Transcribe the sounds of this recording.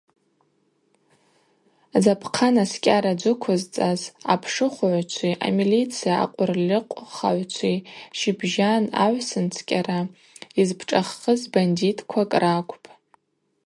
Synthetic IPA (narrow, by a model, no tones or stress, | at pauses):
zapʰqʰanaskʲʼaɾad͡ʒʷʊkʷʰʊzt͡sʼaza̰pʰʂɨχʷʊʕʷt͡ʃʷʰiʔa̰milit͡sʰijaa̰qʷʼʊrlʲɪqʷʼχa̰ʕʷt͡ʃʷʰiʃibʒana̰ʕʷsɨnt͡sʰkʲʼara | izpʰʈ͡ʂʼaχːəzbanditʼkʷʰakʼrakʷʼʰpʼ